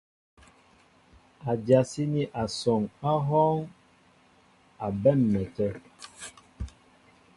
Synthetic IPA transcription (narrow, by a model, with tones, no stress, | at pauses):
a˨d͡ʒja˨si˦ni˦ʔa˨sɔ˨ŋa˦ɦɔ˦ŋ | a˨bɛ˦˨mːɛ˨tɛ˦